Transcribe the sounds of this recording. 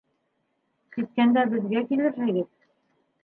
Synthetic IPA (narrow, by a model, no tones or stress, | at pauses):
t̪it̪̚kænd̪æbɘ̆ðɡækilɘɾɦɘ̆ɡɘð